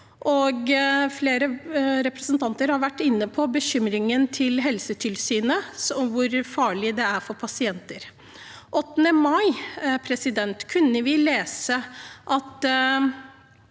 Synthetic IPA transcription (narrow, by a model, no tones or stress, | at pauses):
ʔɔɡfleːɾəɾɛpɾɛsənt̪ʰɑnt̪əɾhɑɾʋæʈːɪnːəpʰɔbəçʏmɾɪŋənt̪ʰɪlɦɛlsət̪ʰɪlsyːnəsɔʋʊɾfɑːɭɪd̪ɛæɾfɔɾpʰɑsɪɛnt̪əɾ | ʔɔt̪ːənəmɑɪpʰɾɛsɪd̪ɛnt̪kʰʉnːəʋɪleːsəʔɑt̪